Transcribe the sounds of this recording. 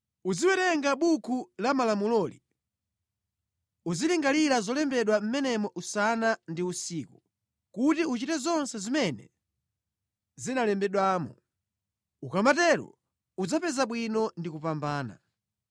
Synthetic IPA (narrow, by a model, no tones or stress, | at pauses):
uziwɛɾɛŋɡaɓukʰulamalamulɔli | uziliŋɡaliɾazɔlɛmbɛɗwam̩mɛnɛmɔʔusanandiusiːku | kutiut͡ʃitɛzɔnsɛzimɛnɛ̰ | zinalɛmbɛɗwaːmɔ̰ | ukamatɛɾɔ̰ | ud͡zapɛzaɓwinɔndikupambaːna̰